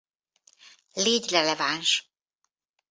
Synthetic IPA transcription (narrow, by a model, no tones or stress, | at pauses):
leːɟrɛlɛvanʃ